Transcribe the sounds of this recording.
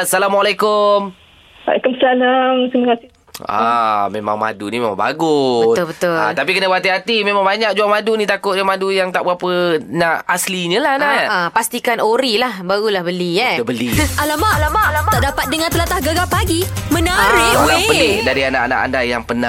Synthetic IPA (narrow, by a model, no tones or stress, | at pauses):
salamwalakʊm | a̰kəməsalaŋk̪imakasɪ | a̰mḛma̰ŋma̰dunimema̰ŋba̰ɡʊbət̪ʊlbət̪ʊl̰t̪ap̬ikənəbat̪̬iɦat̪imemaŋbaɲak̚d͡ʒuaŋmadunĩt̪akʊʔ̪̚ɲəmadujaŋt̪aʔbəapənaʔasliɲəlahapast̪ikanoɾilahbaɣulahbəliɛəbəlialamaʔalamalaaʔdapat̪̚dəŋãnt̪əlat̪ahɡaɡapaɡimənaɾiulaŋpəɪdaɾianaʔana̰ʔa̰ndajaŋpəna